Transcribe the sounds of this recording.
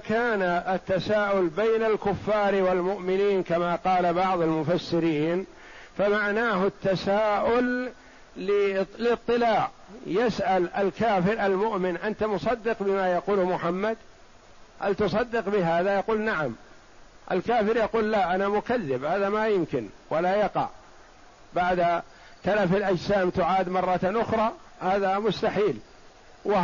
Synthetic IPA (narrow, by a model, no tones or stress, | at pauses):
kaːnaʔat̪ːasaːʔʊlbajnalkʊfːɑːɾwalmʊʔmɪniːnkamaqɑːlabɑʕðˤalmʊfasːɪɾiːn | famaʕnaːɦʊt̪ːasaːʔʊlː | ɪlɪt̪ˤːɨlaːʕ | jasʔalʔalkaːfɪɾʔalmʊʔmɪnʔant̪amʊsˤɑd̪ːɪqbɪmajɑquːlhmʊħamːad̪ | halt̪ʊs̬ˤɑd̪ːɪqbɪɦaːðajɑquːlnaʕam | ʔa̰lkaːfɪɾjɑquːlːaʔanamʊkaðːɪbhaːðamajʊmkɪnwalajɑqɑ̰ʕ | baʕd̪a | t̪alafalʔad͡ʒsaːmt̪ʊʕaːd̪mɑrˤːɑt̪ʔʊxɾˤɑː | haːðamʊst̪aħiːl | wa